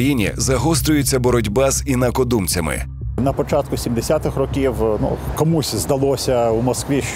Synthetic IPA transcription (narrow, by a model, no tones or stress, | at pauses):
jinʲḭzɐɦɔs̬t̪ɾʲʊjʊt͡sʲːɐbɔɾɔdʲbɛzinɐkɔd̪umt͡sʲɐmɪ̰ | nɐpɔt͡ʃat̪kʊsʲimd̪esʲat̪ɪxrɔkʲiwnṵkɔmusʲzd̪ɐlˠɔsʲɐumɔskʋʲiʃ